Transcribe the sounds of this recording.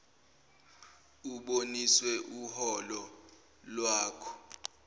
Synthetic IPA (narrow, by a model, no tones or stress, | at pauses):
uɓoniswɛʔuhɔlɔ | lwaːkʰɔ̥